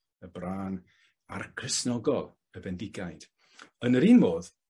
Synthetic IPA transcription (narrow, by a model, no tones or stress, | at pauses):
əbraːn | arkʰəsnɔɡɔlˠ | əbɛndɪɡajd̥ | ənəɾiːnmoːð